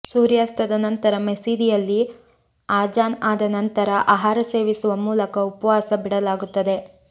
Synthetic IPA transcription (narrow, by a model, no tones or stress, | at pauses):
suːɾjaːst̪ɐd̪ɐnɐnt̪ɐɾɐmesiːd̪ijɐlːi | aːd͡ʒaːnaːd̪ɐnɐnt̪ɐɾɐʔaːɦaːɾɐse̞ːʋisuʋɐmuːlɐkɐupɐʋaːsɐbiɽɐlaːɡut̪ːɐd̪e̞